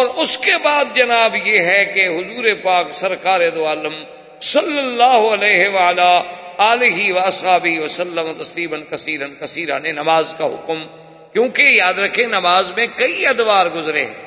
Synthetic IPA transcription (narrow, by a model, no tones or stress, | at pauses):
ɔːɾʊskebaːd̪̚d͡ʒɐnaːbjeɦɛkeɦʊzuːɾepaːksɐɾkaːɾed̪oaːləm | sɐlːəlːaːɦʊɐlɛːɦeʋɐəlaːaːlɪɦiʋɐɐsɦaːbɪʋɐsɐlːəmat̪ɐsliːbənkɐsiːɾənkɐsiːɾanẽnɐmaːzkaɦʊ̰km | kjõːkejaːd̪ɾɐkʰːenɐmaːzmẽkɐiɐd̪ʋaːɾɡʊzɾḛː